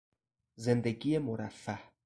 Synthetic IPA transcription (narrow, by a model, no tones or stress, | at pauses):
zend̪eɡijemoɾafːæh